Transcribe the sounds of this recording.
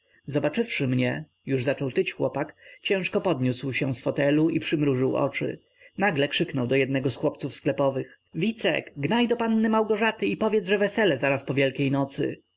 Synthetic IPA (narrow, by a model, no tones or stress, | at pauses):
zɔbat͡ʂɘfʂɘmɲɛ | juʐzat͡ʂɔwt̪ɘt͡ɕxwɔpakt͡ɕɛ̃w̃ʂkɔpɔd̪ɲuswɕɛ̃sfɔt̪ɛluipʂɘmɾuʐɘwʔɔ̰t͡ʂɘ̰ | naɡlɛkʂɘknɔwd̪ɔjɛd̪nɛɡɔsxwɔpt̪sufsklɛpɔvɘx | vʲit̪sɛ̰kɡnajd̪ɔpanːɘmawɡɔʐat̪ɘipɔvjɛd̪zʐɛvɛsɛlɛzaɾaspɔvʲjɛlkʲejnɔt̪sɘ̰